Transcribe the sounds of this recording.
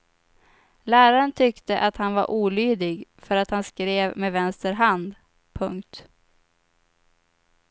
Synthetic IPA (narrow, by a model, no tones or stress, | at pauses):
læːɾaɾənt̪ʰʏkt̪əʔat̪hanva̰ɾʔuːlyːd̪ɪɡfœɾat̪hanskɾeːvmeːvɛnst̪əɾɦand̪ | pʰɵŋkt̪